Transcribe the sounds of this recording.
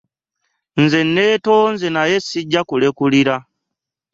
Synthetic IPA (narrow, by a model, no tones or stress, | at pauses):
nze̞nːeːto̞nzenaje̞siɟːakule̞kuliɾa